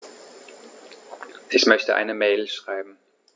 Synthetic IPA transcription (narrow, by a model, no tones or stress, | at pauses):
ʔɪçmœçtəʔa̰ɪnəmeːlʃʁ̥aɪbm̩